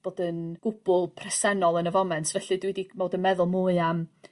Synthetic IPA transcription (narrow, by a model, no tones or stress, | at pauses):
b̥oːdənɡ̥ʊb̥ʊlˠpʰrɛsɛnɔlˠənəvɔmɛntʰvɛɬɨdwidimoːdənmɛðʊlˠmuɨam